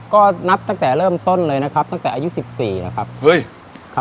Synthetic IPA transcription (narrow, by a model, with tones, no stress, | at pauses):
kɔː˥˩na˦˥p̚t̪a˥˩ŋt̪ɛː˨˩ɾɤː˥˩mt̪o˥˩nlɤː˧jna˦˥kʰa˦˥p̚t̪a˥˩ŋt̪ɛː˨˩ʔːju˦˥si˨˩p̚siː˨˩na̰˦˥kʰa˦˥p̚hɤ˦˥˩j | kʰa˦˥